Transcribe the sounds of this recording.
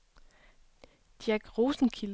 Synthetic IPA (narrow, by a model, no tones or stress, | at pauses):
d̥jæɡ̥ʁoːsn̩kʰil